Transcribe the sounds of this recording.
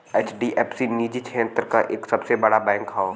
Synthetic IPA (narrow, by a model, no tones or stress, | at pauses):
ɛt͡ʃʰɖiʔɛːpsiniːd͡ʒit͡ʃʰẽːnt̪əɾkaʔeːksɐbsebɐɽabɛ̃ːŋkɦaːo